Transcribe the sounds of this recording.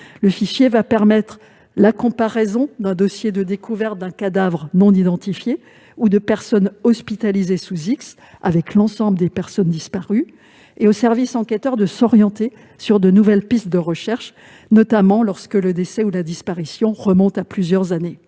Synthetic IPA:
ləfiʃjevapɛʁmɛt̪χ | lakɔ̃paʁɛzɔ̃d̪ɛ̃d̪ɔsjed̪əd̪ekuvɛʁt̪̚d̪ɛ̃kad̪avʁənɔ̃nid̪ɑ̃t̪ifje | ud̪əpɛʁsɔnɔspit̪alizesuziks | a̰vɛklɑ̃sɑ̃bləd̪epɛʁsɔnd̪ispaʁy | eosɛʁvisɑ̃kʲɛt̪œʁd̪əsɔʁjɑ̃t̪e | syʁd̪ənuvɛlpist̪̚d̪əʁəʃɛʁʃ | nɔt̪amɑ̃lɔʁskələd̪esɛulad̪ispaʁisjɔ̃ʁəmɔ̃t̪aplyzjœʁzane

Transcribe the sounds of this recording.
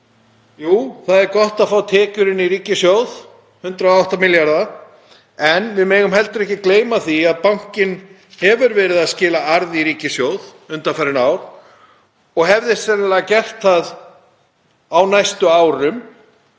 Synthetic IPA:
juːθaðɛɾkɔht̪aðfaːwt̪ʰɛːcʏɾɪniɾiːcɪsjowð | hʏnt̪ɾaawht̪amɪljaɾða | ɛnvɪðmejɣʏmɦɛlt̪ʏɾɛhcɪkleːjmaθiaðpawŋ̥cɪn | hɛvʏɾvɛːɾɪðaðscɪːlaaɾðiɾiːcɪsjoːwð | ʏnt̪afɛɾɪnaːwɾ̥ | ɔɣɦɛvðɪsɛnɪlɛɣacɛr̥t̪θað | awnajst̪ʏaːwɾʏm

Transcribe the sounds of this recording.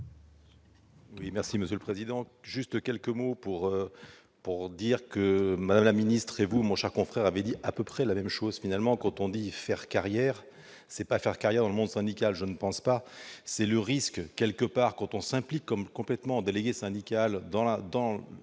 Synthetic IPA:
wimɛʁsiməsjøləpχezid̪ɑ̃ʒyst̪kʲɛlkəmopuʁø | puʁd̪iʁkəmad̪amlaminist̪χevumɔ̃ʃɛʁkɔ̃fχɛʁavɛd̪iʔapøpχɛlamɛmʃozfinalmɑ̃kɑ̃t̪ɔ̃d̪ifɛʁkaʁjɛːʁ | sɛpafɛʁkaʁjɛʁd̪ɑ̃ləmɔ̃d̪sɛ̃d̪ikalʒənəpɑ̃spasɛləʁiskkːɛlkəpaːʁkɑ̃t̪ɔ̃sɛ̃plikːɔmkɔ̃plɛt̪mɑ̃ɑd̪eleɡʲesɛ̃d̪ikald̪ɑ̃d̪ɑ̃

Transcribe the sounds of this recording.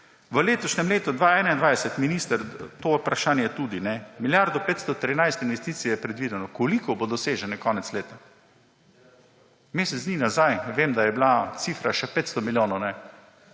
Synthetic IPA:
ʋəleːt̪ɔʃnɛmleːt̪ud̪ʋaːɛːnaind̪ʋajsɛt̪minist̪əɾt̪opɾaʃaːnjɛjɛt̪uːd̪inɛmiljaɾd̪ɔpeːt̪st̪ɔt̪ɾinajst̪inʋɛst̪iːt̪sijɛjɛpɾɛd̪ʋiːd̪ɛnɔkɔlikɔbod̪ɔseːʒɛnɛkɔːnɛt̪sleːt̪a | meːsɛt̪zniːnazajʋeːmd̪ajɛblat̪siːfɾaʃɛpeːt̪st̪ɔmiljoːnɐnɛ

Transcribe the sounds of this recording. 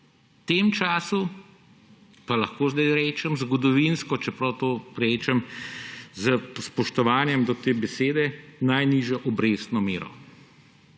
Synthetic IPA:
t̪eːmt͡ʃaːsu | palɐxkoːzd̪ajɾɛːt͡ʃɛmzɡɔd̪ɔʋinskɔt͡ʃɛpɾɔwt̪oːɾɛːt͡ʃɛm | zəspɔʃt̪ɔʋaːnjɛmd̪ɔt̪eːbɛseːd̪ɛnajniːʒjɔʔɔbɾeːsnɔmeːɾɔ̰

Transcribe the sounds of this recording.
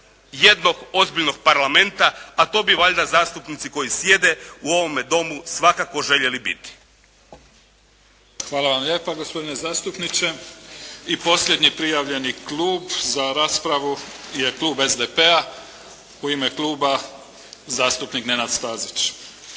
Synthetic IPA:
jed̪no̞ɡo̞zbiʎno̞ɡ̥̚paɾlˠame̞nt̪aat̪o̞ːbiʋaʎd̪azaːst̪upnit̪siko̞jisje̞d̪e̞uo̞ʋo̞me̞d̪o̞musʋakako̞ʒe̞ʎe̞libḭt̪i̥ | xʋaːlaʋamʎe̞ːpaɡospo̞d̪inezaːst̪upnit͡ʃe | ipo̞sʎʲed̪ɲipɾijaʋʎe̞niklˠuːbzaɾaːspɾaʋujeklˠuːbezd̪epea | uimeklˠuːba | zaːst̪upnikne̞nad̪st̪aːzit͡ʃ

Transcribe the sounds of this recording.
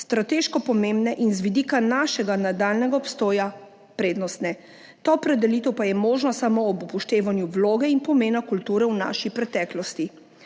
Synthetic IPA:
st̪ɾat̪eːʃkɔpɔmeːmbnɛʔinzʋid̪iːkanaːʃɛɡanad̪alnɛɡaɔpst̪oːja | pɾeːd̪nɔst̪nɛ | t̪oɔpɾɛd̪ɛliːt̪ɛwpajɛmoːʒnɔsamoːbupɔʃt̪eːʋanjuʋloːɡɛinpɔmeːnakult̪uːɾɛwna̰ʃipɾɛt̪ɛːklɔst̪i

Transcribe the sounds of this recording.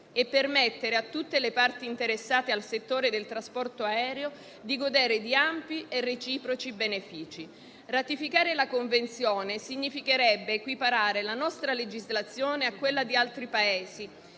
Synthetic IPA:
epːermet̪ːeɾeat̪ːut̪ːelepart̪iːnt̪eɾesːaːt̪ealset̪ːoːɾed̪elt̪ɾaspɔrt̪oaɛːɾeo | d̪iɡod̪eːɾed̪iampiʔerːet͡ʃiːpɾot͡ʃibenefiːt͡ʃi | rat̪ifikaːɾelakoɱvent̪sjoːnesiɲːifikeɾɛbːeːkwipaɾaːɾelanɔst̪ɾaled͡ʒizlat̪sjoːneakːwelːad̪ialt̪ɾipaeːzi

